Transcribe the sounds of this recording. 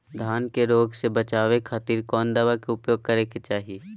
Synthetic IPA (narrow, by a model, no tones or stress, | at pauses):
d̪ʱaːnkeɾoːɡsebət͡ʃaːʋekʰaːt̪iːɾkɔːnd̪ɐʋakeʊpjoːɡ̚kɐɾeket͡ʃaːɦi